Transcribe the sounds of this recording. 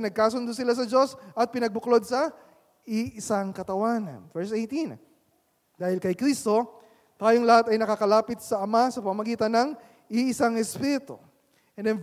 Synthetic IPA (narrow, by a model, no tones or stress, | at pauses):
nɐɡ̚kaːsʊnd̪osɪlas̬ɐd͡ʒo̞sɐt̪̚pɪnɐɡ̚bʊklo̞d̪̚sɐ | ɪʔɪsaŋkɐt̪ɐwaːnɐ̰nvɛɹsejt̪ĩn | d̪aːhɪlkɐjkɾist̪o̞ | t̪aːjoŋlɐhat̪ɐjnɐkaːkɐlaːpɪt̪̚sɐɐmasɐpɐmɐmɐɡiːt̪ɐnːɐŋ | ɪɪsaŋɛspiɾɪt̪o̰ | ʔɛ̃nd̪ɛm